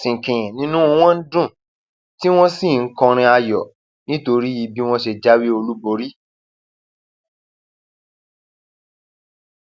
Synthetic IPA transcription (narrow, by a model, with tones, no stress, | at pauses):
sĩ˨kĩ˨ɛ̃˨nĩ˦nũ˦o˧w̃ɔ̃˦n̩˦dũ˦˨ | ti˦w̃ɔ̃˦si˦˨ŋ̩˦kɔ̃˧ɾ̃ĩ˧a˧jɔ˨ | nĩ˦to˧ɾi˦i˧bi˦w̃ɔ̃˦ʃe˧d͡ʒa˦wi˦o˧lu˦bo˧˦ɾi˦